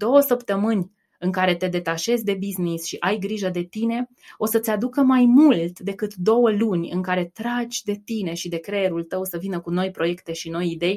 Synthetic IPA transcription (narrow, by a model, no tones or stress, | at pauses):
d̪̥o̞wəsəpt̪əmɨnʲ | ɨŋkaɾe̞t̪e̞d̪e̞t̪aʃe̞zʲd̪e̞biznisʃiʔajɡɾiʒəd̪e̞t̪ine̞ | o̞sət̪sʲad̪ukəmajmult̪d̪e̞kɨt̪d̪o̞wəlunʲɨ̰ŋkaɾe̞t̪ɾad͡ʒʲd̪e̞t̪ine̞ʃid̪e̞kɾe̞eɾult̪əwsəvinəkuno̞jpɾo̞je̞kt̪e̞ʃino̞jid̪e̞j